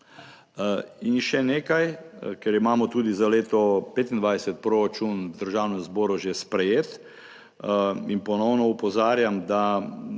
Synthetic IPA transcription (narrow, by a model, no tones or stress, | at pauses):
inʃɛneːkajkɛɾimaːmɔt̪uːd̪izaleːt̪ɔpeːt̪ind̪ʋajsɛt̪̚pɾoːɾat͡ʃunwd̪əɾʒaːwnɛmzbɔːɾuʒespɾɛjeːt̪ | inpɔnɔwnɔupɔzaːɾjamd̪a